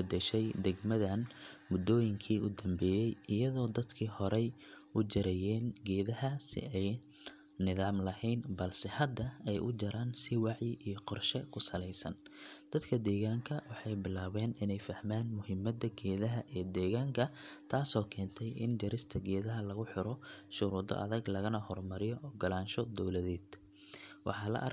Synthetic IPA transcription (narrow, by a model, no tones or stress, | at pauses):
bɐd̪ɛʃɛjd̪ɛɡmɐðɐnmʊd̪ɔːjɪŋkʰiːʊd̪ɐmbɛːjɛjɪjɐðɔːd̪ɐd̪kʰiːhɔɾɛj | ʊd͡ʒɐɾɛjɛːnɡɛːðɐɦɐsɪ̰ɛj | nɪðaːmlɐhɛjnbɐlsɛhɐd̪ːɐɛjʔʊd͡ʒɐɾaːnsɪwɑʕjɪʔijɞqɔrʃɛkʰʊsɐlɛjsɐ̰nd̪̥ɐd̪kʰɐd̪ɛːɣaːŋkʰɐwɑħɑjbɪlaːwɛːnɪnɛjfɐhmaːnmʊhɪmːɐd̪ɐɡɛːðɐɦɐʔɛːd̪ɛːɣaːŋkʰɐt̪ʰaːsɔːkʰɛːnt̪ʰɛjɪ̰nd͡ʒɐɾɪst̪ʰɐɡɛːðɐɦɐlɐɣʊħɪɾɔʃʊɾuːd̪ɔ̰ʔɐ̰ðɐɡlɐɣɐnɐhɔrmɐɾɪjɔʔɔːɡɐlaːnʃɔd̪ɔwlɐðɛːd̪ | wɑ̰ħɑːlɐ̰ʔɐ̰r